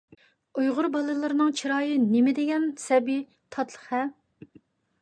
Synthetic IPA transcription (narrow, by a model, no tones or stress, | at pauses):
ujʁʊɾbɑlˠɨlˠɨɾɨnɨŋt͡ʃʰiɾɑːjɨnɪmɪd̪ɪɡʲɛnsɛbi | t̪ʰɑt̪ʰlˠəχɛ